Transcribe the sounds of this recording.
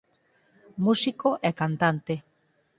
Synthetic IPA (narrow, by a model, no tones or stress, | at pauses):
musikoʔɛkant̪ant̪e